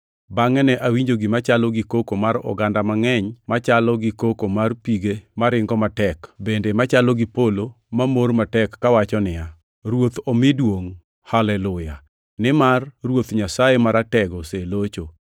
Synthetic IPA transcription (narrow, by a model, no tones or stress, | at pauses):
baŋɛnɛʔawiɲd͡ʒoɡɪmat͡ʃalɔɡɪkokomaɾɔ̰ɡandamaŋɛɲmat͡ʃalɔɡɪkokomarpiɡemaɾɪŋɡɔmatɛkbendemat͡ʃalɔɡɪpolo | mamormatɛkːawat͡ʃɔnɪa | ɾwot̪omɪdwoŋ | halɛlʊja | nɪmarrwot̪ɲasajemaɾatɛɡɔselot͡ʃo